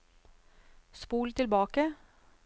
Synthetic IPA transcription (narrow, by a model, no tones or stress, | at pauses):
spuːlt̪ʰɪlbɑːkə